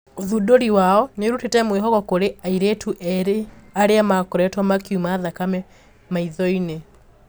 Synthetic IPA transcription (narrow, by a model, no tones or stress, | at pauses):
oðudoɾiwaɔneɾutetɛmweɦɔɣɔkoɾeaiɾetuʔɛɾeaɾeamakɔɾɛtwamakiumaːðakamɛ | maiðɔine